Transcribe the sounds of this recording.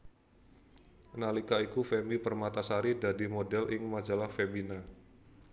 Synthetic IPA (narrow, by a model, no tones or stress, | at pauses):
nalikaikufɛmipərmat̪asaɾidadimodɛlʔɪŋmad͡ʒalahfemina